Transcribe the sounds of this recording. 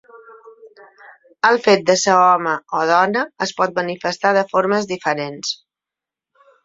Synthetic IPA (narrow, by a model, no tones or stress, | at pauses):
əlˠfet̪̚d̪əsəɔməoð̞ɔnəːspɔt̪̚mənifəst̪aðəfoɾməzðifəɾens